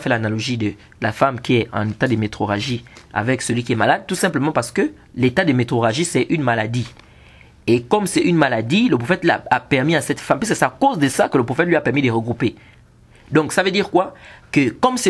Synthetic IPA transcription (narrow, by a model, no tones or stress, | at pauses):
fɛlanalɔʒid̪ə | lafamkʲiɛɑ̰̃net̪ad̪əmet̪χoʁaʒia̰vɛksəlɥik̬ʲiɛmalad̪̚t̪usɛ̃pləmɑ̃paʁsə̥kə | let̪ad̪əmet̪χoʁaʒisɛʔynmalad̪i | ekɔmsɛynmalad̪iləpχofɛt̪la̰apɛʁmiasɛt̪fampɥis̬kəsakozd̪əsakələpofɛt̪lɥiapɛʁmid̪əʁəɡʁupe | d̪ɔ̃ksavød̪iʁkwakəkɔmsɛ